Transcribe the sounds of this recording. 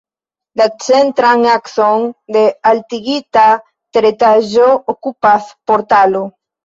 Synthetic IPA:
d̪at͡ʃent̪ɾaŋakθoŋd̪ealt̪iɣit̪a | t̪eɾet̪aʒookupaθpoɾt̪alo

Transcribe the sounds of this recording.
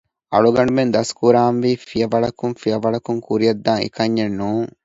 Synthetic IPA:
ʔɐɭuɡɐɳubend̪ɐskuɾaːnʋiːfijɐʋɐɭɐkuŋfijɐʋɐɭɐkuŋkuɾijɐd̪ːaːŋḭkɐɲːenːuːŋ

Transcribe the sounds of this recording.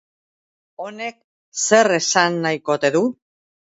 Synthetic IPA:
o̞ne̞k̚ | se̞re̞sanːajko̞t̪e̞ðu

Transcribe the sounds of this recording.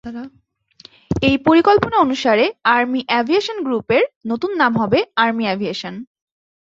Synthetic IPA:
ejpoɾikolponaonuʃaɾeaɾmiʔɛbʱieʃonɡɾupeɾnot̪unːamɦɔbeaɾmiɛbʱieʃon

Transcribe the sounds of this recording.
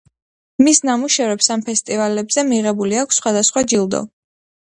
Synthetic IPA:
misnamuʃɛvɾɛpsampʰɛst̪ʼivalɛbzɛmiʁɛbuliakʷʰsːχwad̪asχwad͡ʒilˠd̪ɔ̰

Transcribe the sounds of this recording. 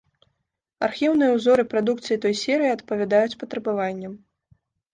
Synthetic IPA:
arxʲiwnɨjɛwzɔɾɨpɾad̪ukt̪sɨjit̪ɔjsʲɛɾɨjiɐt̪pɐvʲad̪ajut͡sʲpɐt̪ɾɐbavanʲːɛm

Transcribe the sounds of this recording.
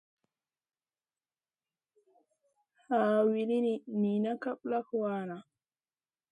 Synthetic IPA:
haːwiɾinimiːnakaɓlakɔwaːna

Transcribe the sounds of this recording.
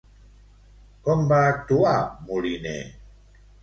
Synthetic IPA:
kombatuamulinḛ

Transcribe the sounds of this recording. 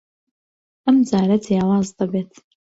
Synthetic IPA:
ɐmd͡zaːɾɐd͡zijaːwaːzd̪abeːt̪ʰ

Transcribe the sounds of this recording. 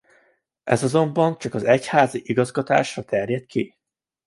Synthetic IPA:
ʔɛ̰zɒzo̞mbɒnt͡ʃɒkɒzɛchaːziʔiɡɒzɡɒt̪a̰ːʃrɒt̪ɛrjɛt̪kʰi

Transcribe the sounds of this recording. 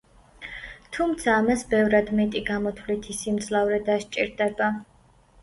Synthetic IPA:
t̪ʰumt̪sʰaːmasbɛvɾad̪mɛt̪ʼiɡamɔt̪ʰvlit̪ʰisimd̪zlˠavɾɛd̪aʃt͡ʃʼḭɾd̪ɛba

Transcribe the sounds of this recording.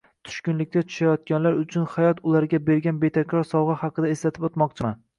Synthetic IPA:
t̪ʰʊ̥ʃkʲʊnlɪk̚ʲt̪ʰat̪ʰʊ̥ʃajɒt̪̚ɡʲanlaɾʊt͡ʃʰʊnχajɒt̪ʊlaɾɡʲabe̞ɾɡʲanbe̞t̪ʰakʲɾɒɾsɒwʁɨhɑqʰɨd̪aeslat̪ʰɪpot̪mɒq̚t͡ʃʰɪman

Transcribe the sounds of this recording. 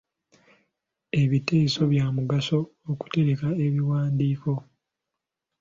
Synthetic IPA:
e̞βite̞ːso̞βjaːmuɡaso̞ːku̥te̞ɾe̞kae̞βiwaːndiːko̞

